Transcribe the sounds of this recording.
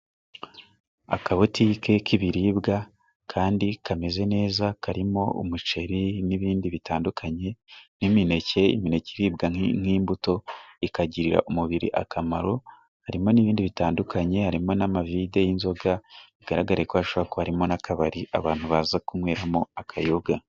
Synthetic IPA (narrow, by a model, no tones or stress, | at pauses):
a̰kaβotike̞kʰiβiɾiːbɡa | kʰaːndikʰame̞ze̞ne̞ːzakaɾimo̞ṵmut͡ʃe̞ɾiniβiːndiβitʰaːndukʰaɲe̞nimine̞ce̞ḭmine̞ciɾiːbɡaŋiːmbuto̞ikaɟiɾiɾa̰ʔomuβiɾḭʔa̰kʰamaɾo̞ | haɾimo̞niβiːndiβitaːndukʰaɲe̞haɾimo̞namavide̞jinzo̞ɡaiɡ̥aɾaɡaɾekoaʃoβakohaɾimo̞nakʰaβaɾiʔa̰βaːn̥huβaːzakumweːɾamo̞akʰajoɡa